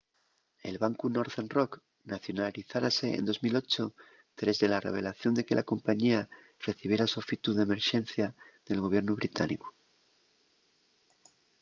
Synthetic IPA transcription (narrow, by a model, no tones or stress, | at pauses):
e̞lβaŋkuno̞ɾðenrok | naθjo̞naliθaɾase̞̰ːnd̪o̞zmilo̞t͡ʃo | t̪ɾe̞zðe̞lare̞̰β̞e̞laθjo̞nd̪e̞ke̞lako̞mpaɲia | re̞θiβje̞ɾasofit̪uðeme̞ɾʃe̞n̟θjaðe̞lɣo̞βje̞ɾnoβ̞ɾit̪aniko̥